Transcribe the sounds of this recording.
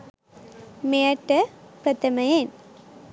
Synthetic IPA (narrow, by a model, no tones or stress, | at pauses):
mejɐʈːɐpɾɐt̪ːɐmɐjen